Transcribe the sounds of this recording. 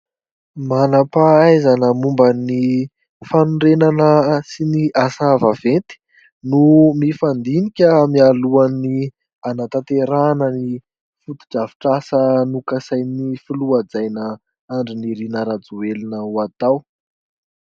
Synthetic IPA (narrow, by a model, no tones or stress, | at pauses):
manapaajzanəmumbəni | fanuɳɖ͡ʐenanəsiniʔasavavent̪i̥ | numifand̪inikʲəmialuani | anat̪at̪eɾanəni | fut̪i̥d͡ʒavi̥ʈ͡ʂasənukəsajnifiluad͡zajnə | aɳɖ͡ʐiniɾinəɾad͡zuelinəwat̪aw